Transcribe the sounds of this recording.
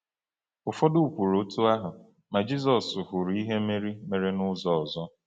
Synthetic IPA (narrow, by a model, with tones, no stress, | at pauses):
ʊ˨fɔ˦dʊ˦u˨pu˨ɾo˨˦tu˦a˦ɦʊ˨ | ma˨d͡ʒi˦zɔ˨sʊ˨ɦʊ˨ɾi˦ɦe˦me˦ɾi˦me˨ɾe˦nʊ˦zɔ˨zɔ˦